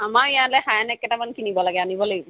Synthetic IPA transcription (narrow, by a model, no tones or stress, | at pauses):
amaijalɛɦajanɛkːɛʈamankinibɔlaɡɛanibɔleju